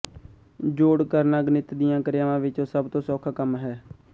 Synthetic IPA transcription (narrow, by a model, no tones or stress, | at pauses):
d͡ʒoːɽkəɾnaːɡnɪt̪d̪ɪjãːkəɾɪjaːʋãːʋɪt͡ʃoːsəbt̪õːsɔːkʰakəmɦɛː